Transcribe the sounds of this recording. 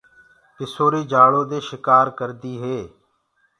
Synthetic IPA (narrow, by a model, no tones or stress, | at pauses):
kɪsoːɾiːd͡ʒaːɭoːd̪eːʃɪkaːɾkəɾd̪iːɦeː